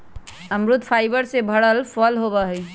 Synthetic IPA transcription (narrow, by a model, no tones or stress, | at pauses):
əmɾut̪pʰajbəɾsebʱəɽəlpʰɔlɦobəɦəj